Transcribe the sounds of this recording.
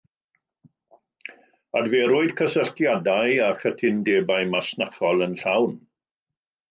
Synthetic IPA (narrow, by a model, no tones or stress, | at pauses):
advɛɾʊɨd̥kʰəsəɬtʰjadajaχətʰɪndeːbaɨmasnaχɔlˠənɬawn